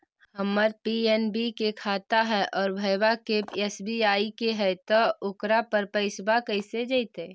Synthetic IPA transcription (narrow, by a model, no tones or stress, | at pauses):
hhəmːəɾ̚piɛnbikekʰaːt̪aɦɛʔɔːɾbʱəbakeesbiaːikeɦɛt̪ɔʊkɾapəɾpəɪsbakəsed͡ʒəɪt̪ẽ